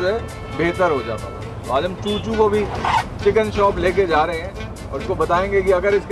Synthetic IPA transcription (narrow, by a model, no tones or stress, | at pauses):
ɦɛ | beːt̪əɾɦod͡ʒa̰ːt̪a̰ːa | t̪oaːd͡ʒɦɐ̃mt͡ʃuːt͡ʃũkobʱit͡ʃɪkənʃɔːpleːk̬ed͡ʒaːɾɐɦeɦɛ̃ | ɔːɾɪskobɐt̪aːẽːŋɡekiɐɡəɾɪsk